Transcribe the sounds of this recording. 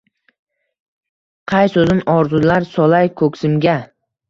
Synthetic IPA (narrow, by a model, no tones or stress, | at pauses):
qʰɑjsɵzɪnɒɾzʊlaɾsɒlajkʰɵkʲsɪmɡʲa